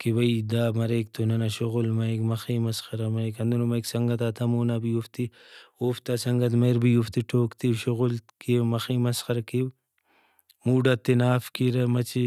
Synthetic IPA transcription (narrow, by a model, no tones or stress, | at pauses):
kibɐid̪aːmɐɾeːk̚t̪ʰonɐnɐʃoɣulmɐjkmɐxiːmɐsxɐɾɐmɐikɐnd̪unomɐjksɐŋɡɐt̪aːt̪ʰɐmoːnabijuft̪i | oːft̪aːsɐŋɡɐt̪mɐjɾbijuft̪iʈʰoːkt̪iwʃuɣulkimɐxiːmɐsxɐɾkiw | muːɖɐt̪ːinaːfkiɾɐmɐt͡ʃʰi